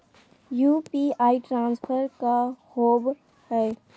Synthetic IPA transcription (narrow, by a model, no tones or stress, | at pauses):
juːpiaːiʈɾãːnspʰəɾkahoːb | hɛː